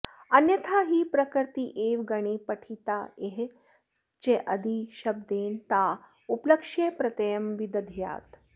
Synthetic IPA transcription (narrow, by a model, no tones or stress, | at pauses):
ɐnjɐt̪ʰaːɦiːpɾɐkəɾt̪iʔeːʋɡɐɽ̃ipɐʈʰit̪aeɦ | t͡ʃeʔɐd̪ʱiʃɐb̚d̪eːnt̪a | upləkʂepɾɐt̪ɐjɐmʋid̪ɐd̪ʱja̰ːt̪